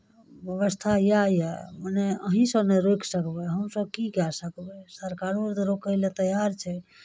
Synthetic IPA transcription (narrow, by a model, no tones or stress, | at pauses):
bjəβəst̪ʰajajaməneəɦĩsəbneɾokʰsəkbɛɦəmsəbkikɛsəkbɛsəɾkaɾoɾt̪ɾokəlet̪əjaɾt͡ʃʰɛ